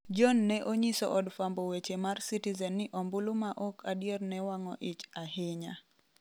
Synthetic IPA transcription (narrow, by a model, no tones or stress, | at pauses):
d͡ʒɔnːɛʔoɲisɔ̰ʔɔdfambowet͡ʃemarsitizɛnːɪʔɔmbulumaʔɔkʰadjernɛwaŋɔʔɪt͡ʃahɪɲa